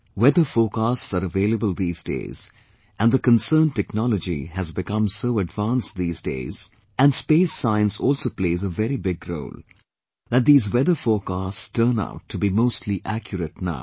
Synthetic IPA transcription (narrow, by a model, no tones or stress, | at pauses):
wɛd̪əfoːkastsəɾəveːləbəlˠd̪iːzdḛɪz̥ | ʔæ̃nd̪əkə̃nsəːnʈɛknɔlɔd͡ʒḭhæzbɪkʌ̃msoːɨɖvãːnst̚d̪iːzdḛɪz | æ̃nɖspeːsːãɪə̃nsɔːlsoːpleɪzəvɛɾibɪɡɾo̰ʊl | d̪æt̚d̪iːzwɛðəfoːkaststəːna̰ʊʈʰːubimoːstʰˡliʔækʰjɾəʈna̰ʊ